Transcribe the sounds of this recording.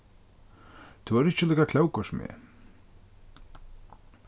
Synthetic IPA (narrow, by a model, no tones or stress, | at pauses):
t̪ʰuaɾɪht͡ɕɪlɛjkakʰlawkɔsmɛ̰